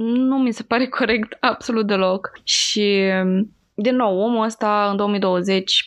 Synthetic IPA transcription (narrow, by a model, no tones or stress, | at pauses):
numise̞paɾe̞kʰo̞ɾe̞kt̪ab̥so̞lut̪̚d̪e̞lo̞kʃi | d̪inːo̞wo̞muəst̪aɨnd̪oomijd̪o̞wəze̞t͡ʃʲ